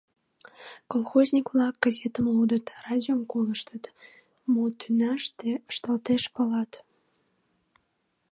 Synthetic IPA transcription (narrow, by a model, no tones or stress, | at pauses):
kolˠxozʲnʲikβlɑk̚ɡ̥ɑzʲet̪əmlud̪ət̪rɑdʲiomkoləʃt̪ət̪ | mot̪ʰynɑʃt̪eəʃt̪əlt̪eʃpəlɑt̪